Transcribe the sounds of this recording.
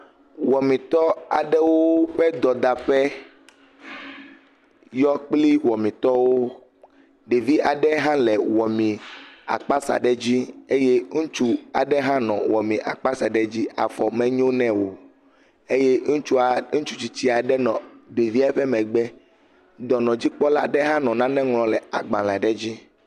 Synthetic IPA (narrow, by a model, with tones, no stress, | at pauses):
wɔ˨mĩ˨t̪ɔ˦a̰˨ɖɛ˦wo˦ɸɛ˦d̪ɔ˨d̪a˨ɸɛ˦ | jɔ˦k͡pli˦wɔ˨mĩ˨t̪ɔ˦wo˦ | ɖe˨vi˦ʔa˨ɖɛ˦ɦã˦lɛ˨wɔ˨mĩ˨a̰˨k͡pa˦sa̰˨ɖɛ˦d͡ʑi˦e˦je˦ŋũ˦t͡ʃu˦a˨ɖɛ˦ɦã˦nɔ̰̃˨wɔ˨mĩ˨ʔa̰˨k͡pa˦sa˨ɖɛ˦d͡ʑi˦a̰˨fɔ˨mɛ̃˨ɲõ˦nɛ̃˨wo˨ | e˦je˦ŋũ˦t͡ʃu˦a˨ŋũ˦t͡ʃu˦t͡ɕi˦t͡ɕi˦a˨ɖɛ˦nɔ̃˨ɖe˨vi˦a˦ɸɛ˦mɛ̃˨ɡ͡bɛ˦ | d̪ɔ˨nɔ̃˨d͡ʑi˦k͡pɔ˦la̰˦ɖɛ˦ɦã˦nɔ̃˨nã˦nɛ̃˦ŋlɔ̃˨lɛ˨a˨ɡ͡bã˨lã˨ɖɛ˦d͡ʑi˦